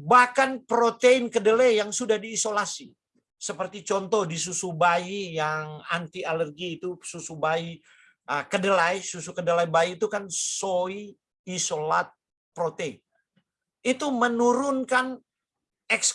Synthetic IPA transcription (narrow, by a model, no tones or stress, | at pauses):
bahkanpɾot̪einkədəlajaŋsudahdiːsolasi | səpərt̪it͡ʃɔnt̪ɔhdis̬usubaijaŋant̪ialərɡiːt̪ususubai | əkədəlajsusukədəlajbaiːt̪ukansoi | isolat̪̚ | pɾot̪ein | it̪umənuɾʊnkan | ɛks